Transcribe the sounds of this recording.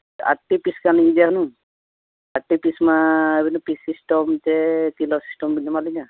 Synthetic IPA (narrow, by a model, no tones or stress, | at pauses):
a̰ʈipiskaniidaɦɔnũ | aʈipismabinɔpisisʈɔmtɛtilɔsi̥sʈɔmbinɔmalina